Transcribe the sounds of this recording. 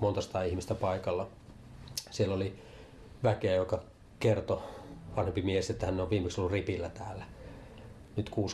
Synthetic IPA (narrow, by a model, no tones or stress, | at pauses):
mont̪ɑsi̥t̪ɑihmist̪æpɑikɑlːɑ | sielːoli | ʋækeæjokɑ | kert̪oʋɑnhempimieheset̪ːæhænːeoʋʋiːmeksolːuripilːæt̪æːlːæ | nyt̪kuːs